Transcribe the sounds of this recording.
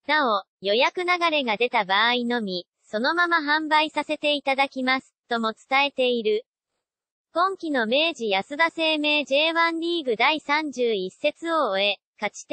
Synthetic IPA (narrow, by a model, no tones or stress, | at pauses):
nao̞ | jo̞jakɯ̟naɡaɾe̞ɡad̪e̞t̪abaːino̞mʲi | so̞no̞mamaɦãmbaisase̞t̪e̞it̪ad̪akʲimasɨ̥t̪o̞mo̞t͡sɨ̥t̪ae̞t̪e̞iɾɯ̟ | kõ̞ŋkʲino̞me̞ːʑijasɨd̪ase̞ːme̞ːʑe̞ːβãnɾʲiːɡɯ̟d̪aisãɲ̟d͡ʑɨːise̞t͡sɨo̞ːe̞ | kat͡ɕi̥t̪